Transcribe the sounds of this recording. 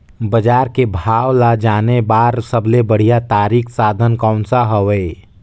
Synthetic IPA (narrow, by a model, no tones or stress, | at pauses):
bəd͡ʒaːɾkebʱaːwlad͡ʒaːnebaːɾsəbʱlebəɽ̤ijat̪aːɾikʰsaːd̪ʱənkaʊnsaɦəʋe